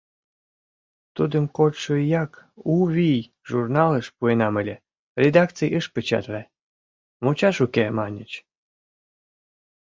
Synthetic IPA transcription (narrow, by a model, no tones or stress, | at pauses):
t̪ud̪əmkot̪ʃəjɑkuβʲij | ʒurnɑləʃpuenɑməlʲe | rʲed̪ɑkt͡sijəʃpət͡ɕɑ̰t̪væ | mot͡ɕɑʃukemɑnʲət͡ɕ